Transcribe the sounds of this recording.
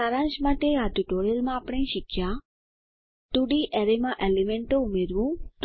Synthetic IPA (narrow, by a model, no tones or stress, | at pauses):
aɾãɲd͡ʒmãʈeaʈuʈoɾiəlmãːpɽẽʃɪkʰja | t̪uɽiʔɛɾemãʔɛlimɛ̃ɳʈoumeɾʋũt̪